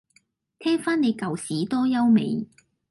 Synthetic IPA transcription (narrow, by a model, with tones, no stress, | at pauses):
t̪ʰɛː˥ŋfaː˥ne˨˧jkɐ˨wsiː˨˥t̪ɔː˥jɐ˥wmḛ˨˧j